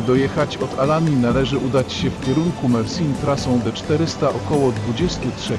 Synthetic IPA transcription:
d̪ɔjɛxat͡ɕɔt̪alamʲinalɛʐɘʔud̪at͡ɕɕɛfkʲɛɾuŋkumɛɾsʲint̪ɾasɔ̃w̃d̪ɔt͡ʂt̪ɛɾɘst̪aʔɔkɔwɔd̪vud͡ʑɛst̪utʂɛ

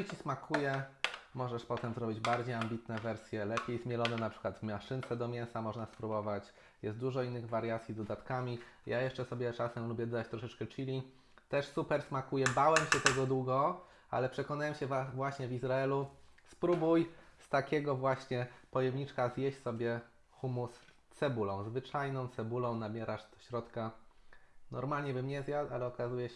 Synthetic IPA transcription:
t͡ɕismakʰujɛmɔʐɛʂpɔt̪ɛmzɾɔbʲid͡ʑbaɾd͡ʑejambʲit̪nɛvɛɾsʲjɛlɛpʲjejzmʲjɛlɔnɛnapʂɘ̥kwad̪vmaʂɘnt̪sɛd̪ɔmʲjɛnsamɔʐnaspɾubɔvat͡ɕ | jɛst̪̚d̪uʐɔinːɘɣvaɾjat̪sʲjizd̪ɔd̪at̪kamʲijajɛʂt͡ʂɛsɔbʲjɛt͡ʂasɛmlubʲjɛd̪ɔd̪at͡ɕt̪ɾɔʂɛt͡ʂkɛt͡ʂilʲi | t̪ɛʂsupɛɾsmakujɛbawɛmɕɛt̪ɛɡɔd̪wuɡɔ | a̰lɛpʂɛkɔnawɛmɕɛvavwaɕɲɛvizɾaɛluspɾubujst̪akʲɛɡɔvwaɕɲɛpɔjɛmɲit͡ʂkazʲjɛɕsɔbʲjɛ | xumus | t̪sɛbulɔ̃w̃zvɘt͡ʂajnɔ̃w̃t̪sɛbulɔ̃w̃nabʲjɛɾaʂd̪ɔ̥ɕɾɔt̪ka | nɔ̰ɾmalɲɛbɘmɲɛzʲjat̪alɛɔkazujɛ

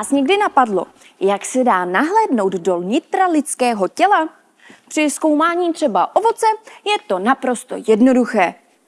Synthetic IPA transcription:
aːsɲɛɡdɪnapadlo̞̰ | jaksɛdaːnaɦlɛːdno̞wd̪do̞lɲɪt̪ɾalɪt͡skɛːɦo̞cɛla | pr̥ɪsko̞wmaːɲiːt̪r̥ɛbaʔo̞vo̞t͡sɛjɛt̪o̞napɾo̞st̪o̞̰jɛdno̞duxɛː

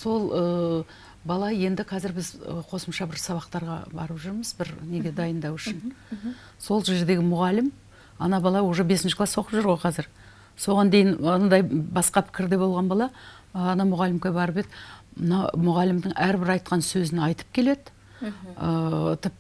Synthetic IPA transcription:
so̞lˠə | bɑlˠɑje̞nd̪ɪqʰɑzɪɾbɪzəqʰo̞səmʃɑbɪɾsɑβɑqt̪ɑɾʁɑ̰bɑɾəpʒʏɾməzbɪɾne̞ɡʲe̞d̪ɑjənd̪ɑwʏʃɪn | so̞lˠʒe̞ɾd̪e̞ɡʲɪmʊʁɑlɪm | ɑ̰nɑbɑlˠɑwoʒebe̞sɪnʃɪklˠɑswo̞qəpʒɨɾʁo̞jqʰɑzɪɾ | so̞ʁɑnd̪e̞jɪnɑnɑd̪ɑjbɑsqɑpʰɪ̥kʲɪɾd̪e̞bo̞lˠʁɑnbɑlˠɑ | ɑnɑmʊʁɑlɪmkʲebɑɾəped̪ɪmənɑmʊʁɑlɪmd̪ɪŋʔæɾbɪɾɑjt̪̚qɑnsɵzɪnɑjt̪ə̥p̚kʲʰe̞le̞d̪ɪ | ət̪ʰɪp̪̚

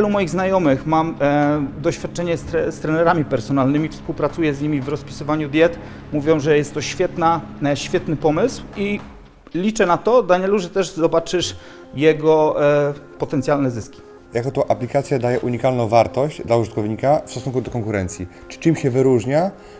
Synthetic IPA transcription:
vʲjɛlumɔjiɣznajɔmɘxmamd̪ɔɕfʲjat̪̚t͡ʂɛɲɛst̪ɾɛst̪ɾɛnɛɾamʲipɛɾsɔnalnɘmʲifspuwpɾat̪sujɛzɲimʲivɾɔspʲi̥sɘvaɲud̪ʲjɛt̪ | muvʲjɔ̃w̃ʐɛjɛst̪ːɔɕfʲjɛt̪naɕfʲjɛt̪nɘpɔmɘswi | lʲit͡ʂɛnat̪ɔd̪aɲɛluʐɛt̪ɛʐzɔbat͡ʂɘʂ | jɛɡɔ | pɔt̪ɛnt̪ʲjalnɛzɘskʲi̥ | jakɔt̪ɔʔaplʲikat̪sʲjad̪ajɛʔuɲikalnɔ̃w̃vaɾt̪ɔʑd͡ʑd̪lauʐɨt̪̚kɔvɲikafsɔsuŋkud̪ɔkɔŋkuɾɛnt̪sʲji | t͡ʂɘ̥t͡ʂɘmɕɛvɘɾuʐɲa

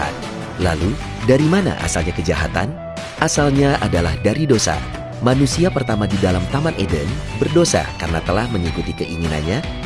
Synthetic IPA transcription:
a̰t̪̚ | la̰lu | daɾimana̰ʔa̰salɲakəd͡ʒaɦa̰t̪a̰n | ʔasalɲaʔadalahdaɾidosa̰ | manusiapərt̪amadidalamt̪amanʔedənbərdosa̰kaɾənat̪əlahməŋikut̪ikəʔiŋina̰nɲa

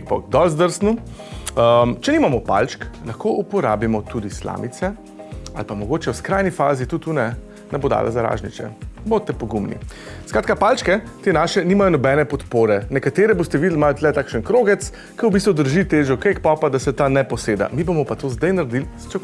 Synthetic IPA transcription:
k̚pɔ̰kd̪ɔlzd̪əɾsnu | əmt͡ʃɛniːmamɔpa̰lt͡ʃklɐxkoʔupɔɾa̰ːbimɔt̪ud̪isla̰ːmit̪sɛ | a̰lpamɔɡoːt͡ʃɛwskɾajnifaːzit̪ut̪ːunɛ | nɛbod̪a̰ːla̰zaɾa̰ʒnit͡ʃɛ̰bot̪ːɛpɔɡumnḭskɾaːt̪kapalt͡ʃkɛt̪enaːʃɛnimajɔnɔbɛnɛpɔt̪poːɾɛnɛkat̪eːɾɛbost̪ɛʋid̪əlmaːjɔt̪lɛt̪aːkʃənkɾoːɡɛt̪s | kəwbist̪ʋud̪əɾʒit̪eːʒɔkekpɔpad̪asɛt̪anɛpɔseːd̪a̰mibomɔpat̪ozd̪ajnaɾd̪ilst͡ʃɛk

